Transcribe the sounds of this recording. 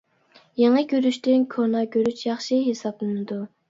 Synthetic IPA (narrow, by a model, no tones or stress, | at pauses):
jeŋəkʲøɾyʃt̪ɪnkʰonɑkʲøɾyt͡ʃjɑχʃiɦesɑplˠɨnɨd̪u